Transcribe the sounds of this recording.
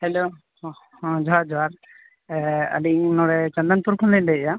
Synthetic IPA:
hɛlõ | d͡ʒɔad͡ʒɔwaɾ | ə̰liŋnɔɽɛt͡ʃãnd̪anpuɾkʰɔnlɛndɛɛja

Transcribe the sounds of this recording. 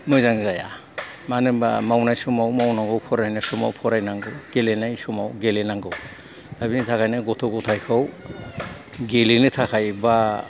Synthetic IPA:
mɯjzaŋzaja̰ | manɯmba̰mawnajsumawmawnaŋɡɯwpʰɔɾajnasuma̰wpʰɔɾajnaŋɡɯwɡ̥elenajsumawɡelenaŋɡɯw | dabinitʰakʰajnaɡɔtʰɔɡɔtʰajkʰɔw | ɡelinetʰakʰajba

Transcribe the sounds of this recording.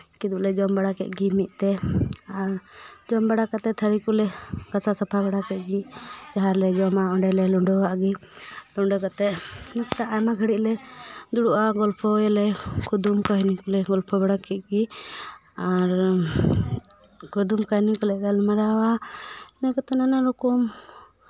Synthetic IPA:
kid̪uʔlɛd͡ʒɔmbaɽakɛ̰ʔ̚ɡimit̪̚ˀt̪ɛaɾd͡ʒɔmbaɽakat̪ɛt̪ʰəɾikulɛɡ̥asasapʰabaɽakɛʔ̪̚ɡit͡ʃaɦaɾlɛd͡ʒɔmaɔɳɖɛlɛlɔɳɖɔwaʔɡilɔɳɖɔkat̪ɛʔnakt̪aʔamaɡʱəɽiʔlɛd̪uɽuʔaɡɔlpʰɔɛlɛkud̪umkaɦnikɔlɛɡɔlpʰɔbaɽakɛʔ̚ɡi | aɾ | kud̪umkaɦnikɔlɛɡalɛmaɾawanakɔt̪ɛnanaɾukum

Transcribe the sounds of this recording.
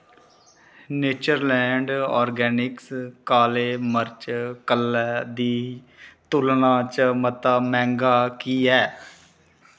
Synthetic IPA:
neːt͡ʃəɾlɛ̃ːɳɖɔ̰ːɾɡɛːnɪkskaːleːməɾt͡ʃkəlɛːd̪iː | t̪ʊlnãːt͡ʃmət̪aːmɛ̃ːŋɡaːkiːɛː

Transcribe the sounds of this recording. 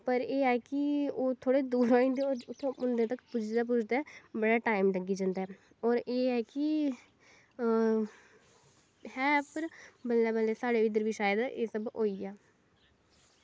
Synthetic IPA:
pəɾeːɛːkɪoːt̪ʰoːɽeːd̪uːɾɦoːẽnd̪eoːɾʊt̪ʰːẽʔʊnd̪eːt̪əkpʊd͡ʒʰd̪aːp̬ʊt͡ʃʰd̪aːbəɽaːʈaːɪmʈəɡiːd͡ʒə̃nd̪aɛː | ɔːɾeːɛːkɪ | hɛːpəɾbəlːɛːbəlːeːsaːɽeːɪd̪əɾʋiːʃaːjəd̪eːsəbɦoːiːaː

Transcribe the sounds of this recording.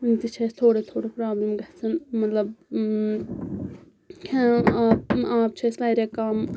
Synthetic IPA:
nt̪it͡ʃʰeːst̪ʰoːɽet̪ʰoːɽepɾaːblemɡɐt͡sʰɐnmɐt̪lɐb | kʰãaːpaːp̚t͡ʃʰesʋaːɾekaːm

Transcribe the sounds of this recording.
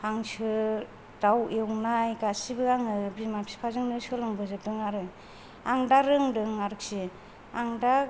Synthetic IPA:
aŋsɯ | d̥awewnajɡasibɯaŋɯbimapʰi̥pʰazɯŋnɯsɯlɯŋbɯzɯp̚dɯŋaɾɯ | aŋdaɾɯŋdɯŋaɾɯk̚si | aŋda

